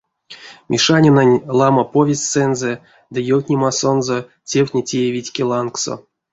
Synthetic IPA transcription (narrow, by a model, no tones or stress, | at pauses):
mʲʔiʂanʲinanʲlˠamapovʲesʲt̪ʲsɛnzɛ | d̪ɨjowʲtʲnʲimaso̞nzo | tʲewʲtʲnʲetʲejevʲitʲkʲelˠankso̰